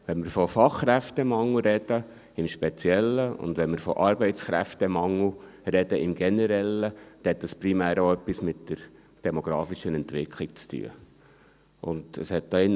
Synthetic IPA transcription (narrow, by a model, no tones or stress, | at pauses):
ʋɛnmɪɾfɔfɑχːɾæftɛmɑŋl̩ɾɛd̪̥ə | ɪmʃpɛt͡sjɛlːəʊ̰nd̪ʋɛnmɪɾfɔ̰ʔɑɾbɛɪt͡sχɾæftɛmɑŋːə | rɛd̥əɪmɡ̥ɛnɛɾɛlːəd̪̥ɛhɛt̪dɑspɾimæːɾoœpːismɪtd̥əɾ | d̥ɛmoɡ̥ɾɑːfiʃənɛntʋɪkʰlɪk̚t͡sty̰ə̰ | ʔʊndəshɛt̚d̥̪ɑɪnː